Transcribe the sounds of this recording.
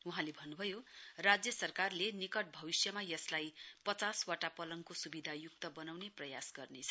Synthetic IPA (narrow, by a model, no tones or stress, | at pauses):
uɦãlebʱʌnːubʱʌjorad͡zjʌsʌrkarlenikʌʈ̚bʱʌbisjʌmajʌslajpʌt͡saswaʈapʌlʌŋkosubid̪ʱajukt̪ʌbʌnawneprʌjasɡʌrnet͡sʰʌ̥